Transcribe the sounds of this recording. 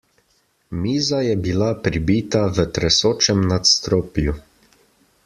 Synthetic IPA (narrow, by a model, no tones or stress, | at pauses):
miːzajɛbilapɾibiːt̪aʋət̪ɾɛsoːt͡ʃɛmnat̪st̪ɾoːpju